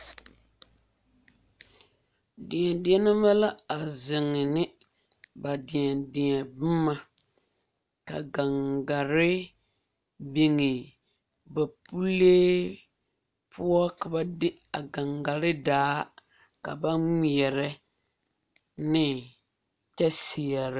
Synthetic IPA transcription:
dɪ˨ɲɛ˨dɪ˨˦ɛ˦nɨ˦ma˦la˦a˨zɪ˨ŋːɪ˨nɪ˦ | ba˨dɪ˨ɲɛ˨dɪ˨ɲɛ˨bɪ˦mːa˨ | ka̰˨ɡa˨ŋɡa˨ɾɪ˦ | bi˨ŋɪ˨ | ba˨pu˦leː˦ | pʰu˦ɔ˦ka˨ba˦dɪ˦ | a˨ɡa˨ŋɡa˨ɾɪ˦daː˦ | ka̰˨ba˦ŋ˦˨ɛ˨ɾɛ˦ | nɪ˦ | t͡ʃɛ˦si˨ɛ˨ɾɪ˨˦

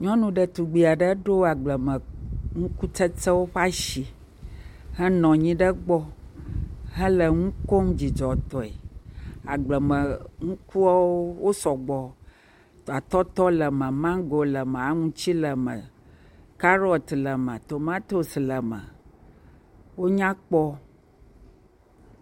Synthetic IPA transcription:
ɲɔ̃˦nũ˨ɖə˨t̪u˨ɡ͡bi˨a˨ɖə˦ɖo˦a˨ɡ͡blə˨mə̃˨ŋũ˦ku˦tə˦tə˦wo˦ɸa˦ʃi˨ | ɦə˦nɔ̃˨ɲĩ˦ɖə˦ɡ͡bɔ˦ | ɦə̃˦lə˨ŋũ˦ko˦md͡ʑi˨d͡ʒɔ˨t̪ɔ˨e˨a̰˨ɡ͡blə˨mə̃˨ŋũ˦ku˦a˦wo˦wo˦sɔ˨ɡ͡bɔ˨ | a˨t̪ɔ˦t̪ɔ˦lə˨mə̃˨mã˦ɡo˨lə˨mə̃˨a˨ŋũ˦t͡ɕi˦lə˨mə̃˨ | ka˦ɾɔ˨t̪lə˨mə̃˨t̪o˨mã˦t̪o˦˨slə˨mə̰̃˨ | wo˦ɲã˦k͡pɔ˦

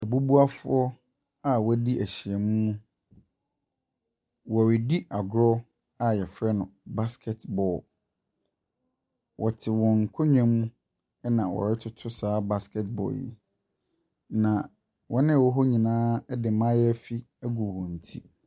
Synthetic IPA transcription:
ɛ˨bu˦bu˦a˦fʊ˦ɔ˦ | a˦˨wɛ˦di˦ʔæ˨ɕi˨ɛ˨mũ˦mũ˦ | wɔ˨ɾɪ˨di˦ʔa˨ɡɾɔ˦ | a˨jɛ˨fɾɛ˦nʊ̃˨ba˦skʰɛ˨tbɔ˨ | wʔɔ˨tʰɪ˨wɔ̃˨ŋ̩˨kʰɔ˦ɲᶣɛ̃˦mũ˦ | ɛ˦nã˨wɔ̰˨ɾɪ˦tʰʊ˦tʰʊ˦saː˨˦ba˦skʰɛ˦tbɔ̰˨ljɛ̰˨ | nã˨ | wɔ˦nɪ̃˦˨wɔ˦ɦɔ˦ɲĩ˨nãː˦ɛ˦dɪ˨mã˦jɛ˦fi˦ | æ˦ɡu˨hɔ̃˨n̩˨tʰi˦

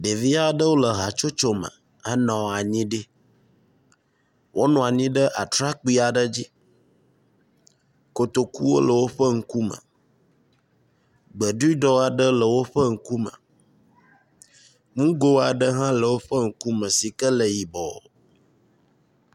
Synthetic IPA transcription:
ɖe˨vi˦a˦ɖə˦wo˦lə˨ɦa˨t͡ʃo˦t͡ʃo˦mə̰̃˨ | ə˦nɔ̃˨wa˨ɲĩ˦ɖi˦ | wʔo˦nɔ̃˨a˨ɲĩ˦ɖə˦ʔa˨t̪ɾa˦k͡pi˦a˨ɖə˦d͡ʑi˦ | ko˨t̪o˨kṵ˦wo̰˦lə˨wo˦ɸə˦ŋ̩˦ku˦mə̰̃˨ | ɡ͡bə˨ɖi˦ɖɔ˦a˨ɖə˦lə˨wo˦ɸə˦ŋ̩˦ku˦mə̰̃˨ | ŋũ˦ɡo˦a˨ɖə˦ɦã˦lə˨wo˦ɸə˦ŋ̩˦ku˦mə̃˨si˨kə˦lə˨ji˨bɔ˨

